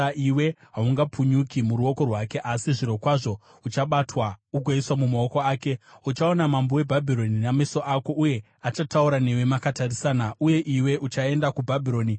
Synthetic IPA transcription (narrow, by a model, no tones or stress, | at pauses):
aiwe̞ɦauŋɡapʰuɲukimuɾuo̞ko̞rwake̞ʔasiʐiɾo̞kwaʐo̞ | ut͡ʃaɓatwaukoiswamumao̞ko̞aːke̞ut͡ʃaonamambowe̞bʱabʱiɾo̞ninameso̞ʔako̞ʔuje̞ | at͡ʃatauɾane̞we̞makatarisaːnauje̞ʔiwe̞ʔut͡ʃae̞ndakubʱabʱiɾo̞ːni